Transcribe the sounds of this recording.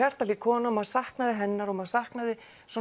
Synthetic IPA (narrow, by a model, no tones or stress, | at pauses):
ar̥t̪aliːkʰɔːnaɔmaðsahknaðɪɦɛnːaɾɔmaðsahknaðɪ | sɔ